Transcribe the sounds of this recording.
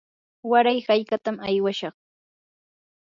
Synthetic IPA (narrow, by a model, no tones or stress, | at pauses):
waɾajhajkat̪amajwaʃɑχ